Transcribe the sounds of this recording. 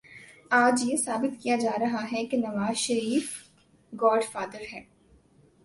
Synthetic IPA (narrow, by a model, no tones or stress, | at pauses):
aːd͡ʒjesaːbɪt̪kijad͡ʒaːɾɐɦaɦɛkenɐʋaːzʃɐɾiːf | ɡɔːɖfaːd̪əɾɦɛː